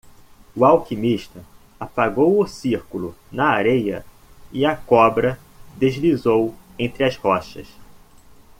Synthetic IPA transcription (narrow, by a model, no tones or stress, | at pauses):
ʊawkimiʃt̪ɐ | apaɡowʊsiɾkulʊnɐaɾejɐ̰ | ɪɐkɔbɾɐ | d̪ezlizowẽnt̪ɾɪɐzhɔʃɐ̰s